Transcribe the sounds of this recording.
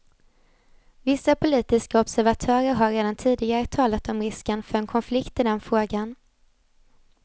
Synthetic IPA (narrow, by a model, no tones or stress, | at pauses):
vɪsːapʰʊliːt̪ɪskaɔbsæɾvat̪ʰœːɾəɾɦaɾeːd̪ant̪ʰiːd̪ɪɡaɾət̪ʰɑːlat̪ɔmɾɪskənfœɾɛnkʰɔnflɪkt̪ɪd̪ɛnfɾoːɡan